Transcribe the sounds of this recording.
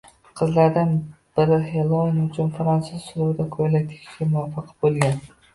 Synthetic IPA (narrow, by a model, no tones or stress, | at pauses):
qʰɨzlaɾd̪anb̥ɪɾɪhelˠonʊt͡ʃʰʊnfɾansɪz̥sʊɾʊwd̪akʰojlak̚ʲt̪ʰe̥kʲʰɪ̥ʃɡʲamʊafːɑqʰbolˠɡʲan